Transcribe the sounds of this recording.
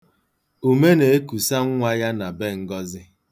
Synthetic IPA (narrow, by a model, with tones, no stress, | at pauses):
u˨me˦ne˨e˦ku˨sa˦ŋ̩˦ŋʷa˦ja˦na˨be˦˨ŋ̩˦ɡɔ˦zɪ˦